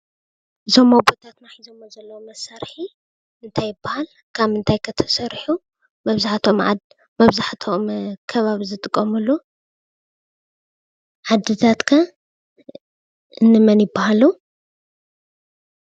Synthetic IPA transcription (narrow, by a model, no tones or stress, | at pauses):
ɨzʰo̞mabot̪ʰat̪naħizomːozɐlːɐwomɐsaɾħi | ɨnt̪ʰajːɪbːahal | kʰamɨnt̪ʰajkʰɐt̪ʰɐ̥sɐɾħu | mɐβzaħt̪ʰo̞mʕa̰ | mɐβzaħt̪ʰomkʰɐβaβizɨt̪ʼɨkʼːɐmulːu | ʕad̪ːɨt̪ʰat̪kʰa | ɨnːɨmɐnjɪbːahalu